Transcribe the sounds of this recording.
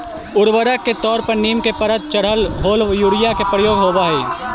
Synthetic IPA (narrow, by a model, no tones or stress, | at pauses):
ʊɾʋəɾəkːet̪ɔːɾpɐɾniːmkepɐɾət̪̚t͡ʃɐɽ̤əlɦoːljuːɾɪjakepɾəjoːɡɦoːbaɦeː